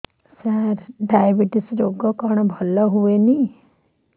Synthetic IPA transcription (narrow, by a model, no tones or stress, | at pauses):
saɾɖajəbiʈisɾoɡɔkɔɳ̃bʱɔlɔɦueni